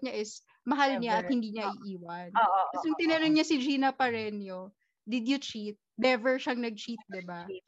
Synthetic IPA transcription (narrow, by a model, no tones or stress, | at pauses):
ɲɐʔɪs | mɐɦalɲaʔɐt̪̚hɪnd̪iːɲɐʔiʔiːwɐnːʔkɐsjʊŋt̪ɪnɛɾɪŋɲɐsɪd͡ʒiːnɐpɐɹɛnjo | d̪ɪd̪jʊt͡ʃit̪̚nɛvɛɹʃɐŋnɐɡ̚t͡ʃit̪̚d̪ɪba